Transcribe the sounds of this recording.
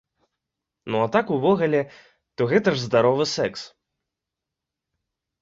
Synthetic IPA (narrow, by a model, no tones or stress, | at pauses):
nuat̪akuvɔɣɐlʲɛ | t̪uɣɛt̪ɐʐzd̪aɾɔvɨsɛks